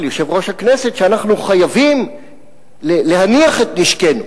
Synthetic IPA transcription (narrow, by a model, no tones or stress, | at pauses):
ljo̞ʃe̞vʁo̞ʃhakne̞se̞tʃeanaχnuχajavim | lele̞ɦaniaχet̪niʃke̞nu